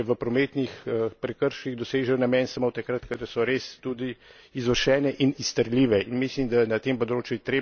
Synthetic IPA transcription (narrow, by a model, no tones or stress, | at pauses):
ɛʋəpɾɔmeːt̪nixəpɾɛkəɾʃiɣd̪ɔseːʒɛwnamɛnsamot̪ɐkɾat̪kad̪asɔɾeːst̪ud̪i | izʋəɾʃɛːnɛʔinist̪əɾlʲiːʋɛinmislimd̪ajɛnat̪empɔd̪ɾoːt͡ʃjut̪ɾeː